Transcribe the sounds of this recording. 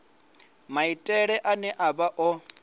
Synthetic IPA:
maitʼɛɺɛʔanɛʔabaʔɔ

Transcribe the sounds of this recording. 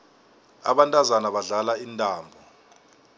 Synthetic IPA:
a̰ɓantʼazanaɓaɮalaintʼaːmbʱɔ

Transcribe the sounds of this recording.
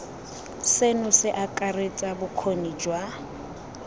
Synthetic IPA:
senʊsɪʔakʼaret͡sʼabʊkʰonid͡ʒwa

